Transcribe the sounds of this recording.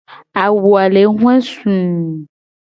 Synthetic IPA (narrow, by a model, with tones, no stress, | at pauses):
a˨wu˨a˨le˨˦ɦũ˦ɛ̃˦sũ˨